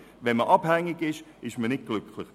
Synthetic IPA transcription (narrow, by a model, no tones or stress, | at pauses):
vɛnməʔɑb̥hɛŋɪɡɪʃɪʃmənɪt̚ɡ̥lʏkʰlɪχ